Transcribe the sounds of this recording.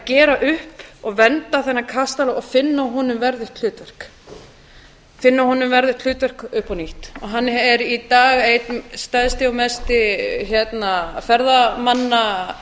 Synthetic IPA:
acɛːɾaʔʏhpɔɣvɛnt̪aθɛnːakʰast̪alaɔɣfɪnːaɦɔnʏmvɛɾðɪht̪ʰl̥ʏːt̪vɛr̥k | fɪnːahɔnʏmvɛɾðɪht̪l̥ʏːt̪vɛr̥kʏhpɔniht̪ɔɦanːɛɾit̪aːɣejt̪st̪aðst̪ɪamɛst̪ɪçjɛt̪nafɛɾðamanːa

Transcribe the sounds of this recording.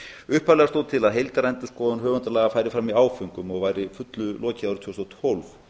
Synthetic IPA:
ʏhpalɛɣast̪oːwt̪ʰɪlaðɦejlt̪aɾɛjnt̪ɪ̥skɔːðʏnɦœːvʏnt̪alaːɣafajɾɪfɾamiaːwfʏŋkʏmɔɣvajɾɪfʏt̪lʏlʔɔːcɪawɾʏ̥t̪ʰowst̪ɔt̪ʰolf

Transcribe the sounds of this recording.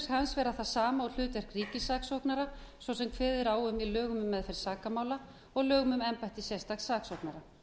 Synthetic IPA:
shansvɛːɾaðθasaːmaɔl̥ʏːt̪ɛr̥kriːcɪsaːksowknaɾasvɔsɛmkʰvɛːðɪɾaːwʏmilœːɣʏmʏmːɛðfɛɾ̥saːkamaːwla | ɔɣlœːɣʏmʏmɛmpajht̪ɪsjɛst̪aɣsaːksowknaɾa

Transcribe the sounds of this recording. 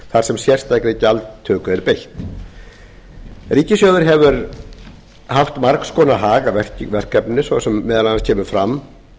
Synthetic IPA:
θaɾ̥sɛmsjɛr̥st̪ajkɾɪcalt̪t̪ʰːœːkʏɛɾpejht̪ | riːcɪsjœːðʏɾɦɛvʏɾ | haft̪maɾkskʰɔːnaɦaːɣavɛr̥cvɛr̥kɛpnɪsvɔsɛmːɛːðalanascʰɛːmʏfɾam

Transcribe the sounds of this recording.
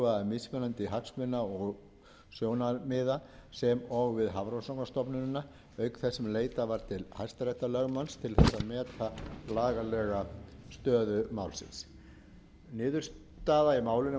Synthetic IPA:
vaamɪsmɛnant̪ɪɦaksmɪnaɔɣ | sjoːwnamɪːðasɛmɔɣvɪðɦavɾosɔknast̪ɔpnʏnʏna | œːɥkθɛsːɛmleːjt̪avaɾ̥t̪ʰɪlhaj̥st̪aɾɛht̪alœɣmanst̪ʰɪlθɛsːaðmɛːt̪ʰalaːɣalɛːɣast̪œːðʏmawlsɪ̰ns | nɪːðʏɾ̥s | t̪aːðaimaːwlɪnɪ

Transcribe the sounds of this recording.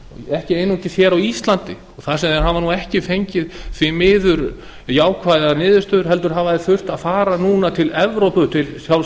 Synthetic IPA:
ɛhcɪeːjnucɪθçɛːɾawist̪lant̪ɪ | ɔθasɛmðɛnɦavanuɛhcɪfejɲcɪðθɪmɪːðʏɾ | jaːwkʰvajðanɪːðʏ̥st̪œːðʏ̥ɾ̥ɦɛlt̪ʏɾ̥ɦaːvaðɪθʏr̥t̪aðfaːɾanuːnat̪ʰɪlɛvɾowpʏt̪ʰɪlsjawl

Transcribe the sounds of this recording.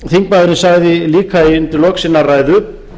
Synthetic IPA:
θiŋk̚paðɪɾɪnsaɣðɪliːkʰaiʏnt̪ɪɾlɔksɪnːaraːjðʏ

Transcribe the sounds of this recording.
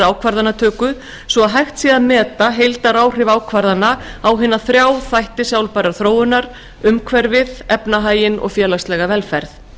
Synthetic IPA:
aːwkʰvaɾðanat̪ʰœːkʏ | svɔaðɦajxt̪siaðmɛːt̪aɦejlt̪aɾaːwr̥ɪvaːwkʰvaɾðanaawɦɪnːaθɾjaːwθajht̪ɪsjawlpajɾaɾθɾoːwʏnaɾ̥ | ʏmkʰvɛɾvɪðɛpnaɦaːjɪnɔ̰ɣfjɛːlast̪lɛːɣavɛlfɛɾθ

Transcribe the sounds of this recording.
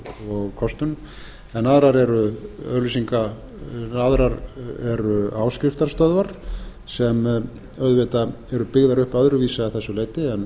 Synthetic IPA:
ɔɣkʰɔst̪ʏn | ɛnːaðɾaɾɛɾʏœlisiŋka | aðɾaɾɛɾʏaːwskɾɪft̪aɾ̥st̪œðvaɾ̥ | sɛm | œðvɛt̪a | ɛɾʏpɪɣðaɾʏhpaðɾʏviːsaθɛsːʏleːjt̪ɪɛn

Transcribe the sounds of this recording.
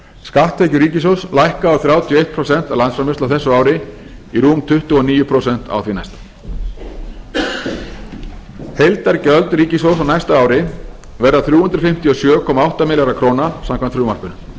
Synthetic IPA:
skaht̪vejcʏɾiːcɪs̬owslajhkaːwθɾjaːwt̪ʰijɔejht̪̚pʰɾosɛn̥t̪awlant̪sfɾamɪst̪awθɛsːʏaːwɾɪ | iɾuːmt̪ʰʏht̪ʏɔniːjʏpʰɾosɛn̥t̪a̰wθvina̰jst̪ḁ | hejlt̪aɾcœlt̪ɾiːcɪs̬ows̬awnajst̪aaːwɾɪ | vɛrðaθɾjuːhʏnt̪ɾafɪm̥t̪iɔsjœːkʰɔːmaawht̪amɪːlaɾakʰɾownasamkʰant̪θɾjuːmaɾ̥rpʏnʏ

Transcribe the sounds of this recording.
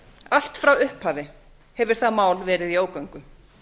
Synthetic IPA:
al̥t̪fɾawʏhphaːvɪ | hɛvʏɾ̥θaðmaːwlvɛːɾɪðioːwkaɥŋkʏ

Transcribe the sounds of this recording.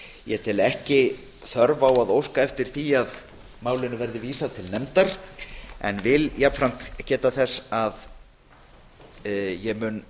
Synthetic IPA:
jɛt̪ʰɪlɛhcɪ | θœɾvawaðowskaɛft̪ɪɾ̥θiað | maːwlɪnʏvɛɾðɪviːsat̪ʰɪlnɛmt̪aɾ̥ | ɛ̰nvɪljapfɾam̥t̪cɛːt̪aθɛsːað | jɛɣmʏn

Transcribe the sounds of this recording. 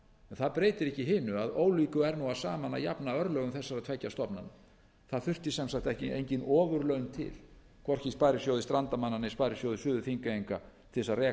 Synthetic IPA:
ɛnθaðpɾeːjt̪ɪɾɛhcɪɦɪːnʏaðoːwliːkʏɛɾnuaðsaːmanːaja̰pnaœɾlœːɣʏmθɛsːaɾaðt̪ʰvɛcːast̪ɔpna̰nʏ̰ | θaðθʏr̥t̪ɪsɛmsakt̪ɛhcɪʔḛjɲcɪnɔːvʏɾlœɥnt̪ʰɪ̰l | kʰvɔr̥cɪspajɾɪsjowðɪst̪ɾant̪amanːanɪspaːjɾɪsjowðɪsʏːðʏfiŋkaejŋka̰t̪ʰɪsarɛː

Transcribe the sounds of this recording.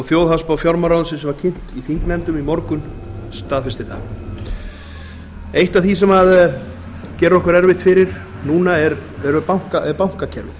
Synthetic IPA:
ɔɣθjoːwðɦaspawfjɔɾmaɾawðʏsɪsɛmvaɾcʰɪn̥t̪iθiŋknɛnt̪ʏmimɔɾkʏn | st̪aːðfɛst̪ɪθa̰ | ejht̪aθisɛmað | cɛːɾʏɔhkʏɾɛɾvɪht̪fɪɾɪɾ̥ | nuːnaɛɾɛɾʏpawŋ̥kaʔɛɾpawŋ̥kacʰɛɾvɪθ

